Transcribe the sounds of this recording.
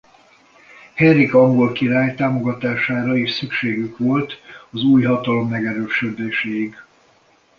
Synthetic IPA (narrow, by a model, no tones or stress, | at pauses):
hɛrikɒŋɡo̞lkiɾaːjt̪aːmo̞ɡɒt̪aːʃaːɾɒiʃsykʃeːɡykʋo̞lt̪ɒzuːjɦɒt̪ɒlo̞mːɛɡɛɾøːʃød̪eːʃeːiɡ